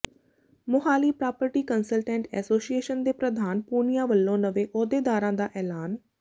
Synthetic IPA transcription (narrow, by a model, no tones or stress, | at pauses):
mʊɦaːliːpɾaːpəɾʈiːkənsəlʈɛ̃ːɳʈɛ̰ːsoːsieːʃənd̪eːpɾəd̪ʱaːnpuːnɪjãːʋəlːõːnəʋeːʔɔːd̪eːd̪aːɾãːd̪aːʔɛːlaːn